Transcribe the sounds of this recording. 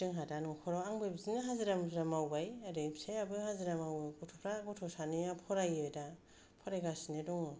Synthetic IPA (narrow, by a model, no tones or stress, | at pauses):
tɯŋɦadanukʰɔɾɔaŋbɯjbzinaɦaziɾamzɾamawbajadɯpseabɯhaziɾamawbajkɔtʰɔpʰɾaɡɔtʰɔsaniapʰɔɾajɔjda | pʰɔɾajɡasinedɔŋɔ